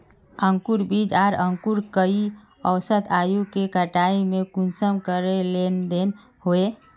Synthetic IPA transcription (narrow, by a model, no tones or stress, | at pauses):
ə̃ŋkuɾbiːd͡ʒaːɾəŋkuɾkəi | əwsət̪aːjukekəʈaːimẽkʊnsəmkəɾelend̪en | hoe